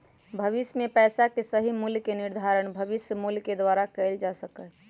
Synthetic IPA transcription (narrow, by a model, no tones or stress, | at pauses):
bʱəʋisjmepɛːsakesəɦimuljkeniɾd̪ʱaɾəɳ̃bʱəʋisjəmuljked̪waɾakəɪld͡ʒasəkə